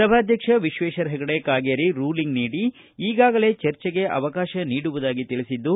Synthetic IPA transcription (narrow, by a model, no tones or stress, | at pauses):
sɐbʱaːd̪ʱjɐkʂɐʋiʃʋeːʃɐɾɦɛɡɐɽekaːɡeːɾiɾuːliŋɡniːɽi | iːɡaːɡɐle̞ːt͡ʃɐɾt͡ʃɛɡe̞ʔɐ̰ʋɐkaːʃɐniːɽuʋud̪aːɡit̪iɭisid̪ːu